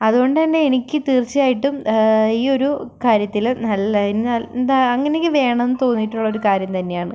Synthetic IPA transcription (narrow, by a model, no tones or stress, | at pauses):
ɐðuɣo̞ɳɖɨt̪ɐnːe̞enikʲːɨt̪iːrt͡ɕːijaːjiʈːumiːo̞ɾukaːɾjɐt̪ːilnɐlːɐinɨnɐlnd̪aɐŋːɐnekːɨʋe̞ːɳɐmenːɨt̪o̞ːnːiʈːuɭːɐoɾukaːɾjɐmt̪ɐnːe̞jaːɳɨ